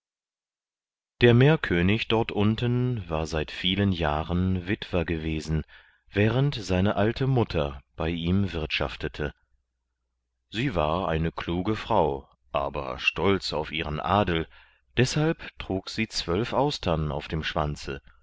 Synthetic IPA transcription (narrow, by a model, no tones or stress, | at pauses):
d̥eːɐmeːɐkʰøːnɪçd̥ɔɐtʔʊntənvaːɐzaɪtfiːlənjaːʁənvɪtv̥ɐɡəveːzn̩ | vɛːʁəntz̥aɪnəʔaltʰəmʊtʰɐb̥aɪʔiːmvɪɐtʃa̰ftətʰə | z̥iːva̰ːɐʔa̰ɪnəkl̥uːɡəfʁ̥aʊ | ʔaːbɐ̰ʃtɔlt͡saʊfʔiːʁənʔaːdl̩ | d̥ɛshalptʁ̥uːkz̥iːt͡sv̥œlfʔaʊstʰɐna̰ʊfd̥eːmʃv̥ant͡sə̰